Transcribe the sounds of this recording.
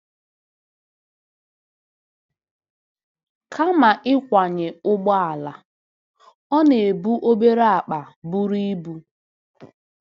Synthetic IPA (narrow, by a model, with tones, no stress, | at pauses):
kʰa˦ma˨ʔɪ˦kʷa˨ɲe˨ʊ˦ɡ͡bɔ˦a˨la˨ | ɔ˦ne˨e˨bu˦ʔo˦be˦ɾa˦a˨k͡pa˨bu˦ɾi˦i˦bu˦